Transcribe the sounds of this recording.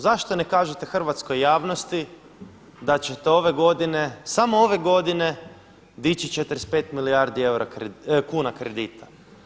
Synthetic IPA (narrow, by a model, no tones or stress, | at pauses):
zaʃt̪o̞ne̞kaːʒut̪e̞xr̩ʋat̪sko̞jːaːʋnost̪i | d̪at͡ɕe̞t̪eo̞ʋe̞ɡo̞d̪ine̞samooʋe̞ɡo̞d̪ine̞ | d̪it͡ʃit͡ʃet̪ɾespe̞ːt̪miliaɾd̪ie̞wɾakkuːnakɾed̪iːt̪ʰḁ